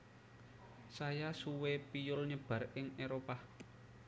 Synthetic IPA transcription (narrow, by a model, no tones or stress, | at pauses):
sajasuwepijʊlɲəb̥a̤rɪŋeɾopa